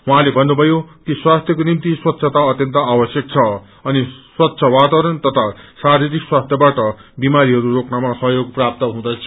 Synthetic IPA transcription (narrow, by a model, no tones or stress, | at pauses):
ɦuɦãlebʱʌnːubʱʌjok̪iswast̪ʰjʌkonimt̪iswʌt̪ːsʰʌt̪aʌt̪jʌnt̪ʌabʌsjʌk̚t͡sʰʌ | ʌniswʌt̪ːsʰʌwat̪awɾʌnt̪ʌt̪ʰasaɾiɾikswast̪ʰjʌbaʈʌbimaɾiɦʌɾuɾoknamasʌɦjoɡ̚prap̚t̪ʌɦũd̪at͡sʰ